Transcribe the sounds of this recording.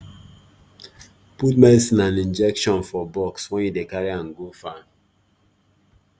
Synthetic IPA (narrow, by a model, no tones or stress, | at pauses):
put̚mɛsĩnãnĩnd͡ʒɛkʃɔ̃nfɔbɔkswɛ̃njudekaɹiãnɡofa